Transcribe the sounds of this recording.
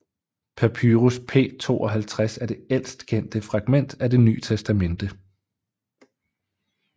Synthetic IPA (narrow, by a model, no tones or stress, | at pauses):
pʰæpʰyːʁuspʰe̝̰ːt͡sʰo̝̰ːɒ̽ɦælt͡sʰʁasæɐd̥e̝el̰sd̥kʰen̰d̥əfʁɑ̈ɡ̥men̰d̥æd̥e̝ny̰ːt͡sʰesd̥æmen̰d̥ə